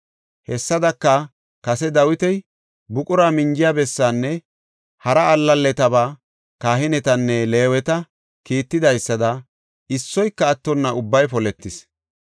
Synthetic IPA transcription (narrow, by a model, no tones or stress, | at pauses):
hɛsːɐd̪ɐkːɐ | kɐsɛd̪ɐwɪt̪ɛj | bʊkʼʊɾaːmɪnd͡ʒɪjaːbɛsːaːnːɛ | hɐɾɐːlːɐlːɛt̪ɐbaː | kaːhɪnɛt̪ɐnːɛle̞ːwɛt̪ɐ | kiːt̪ːɪd̪ɐjsːɐd̪ɐ | ɪsːɔjkːɐːt̪ːɔnːɐʔʊbːɐjpɔlɛt̪ːɪs